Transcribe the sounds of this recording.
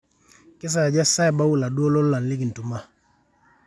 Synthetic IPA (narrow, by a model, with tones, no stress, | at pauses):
kɪ˦s̬a˨ja˨d͡ʒa˦sa˦ɛ˨ba˦wu˦˨la˨du˦o˦lɔ˦lla˨nli˦ɡi˨n˨tu˨ma˦